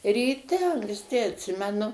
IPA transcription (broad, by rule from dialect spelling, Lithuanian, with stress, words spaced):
rʲiːˈtʲɛ ɐŋksʲˈtʲɪ ɐtʲˈsʲɪmʲɛnʊ